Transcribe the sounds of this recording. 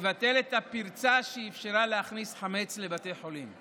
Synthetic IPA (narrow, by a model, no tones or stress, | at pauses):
vat̪e̞let̪apiʁt͡saʃeifʃeʁaleaχnisħame̞t͡sle̞bat̪e̞jħo̞lim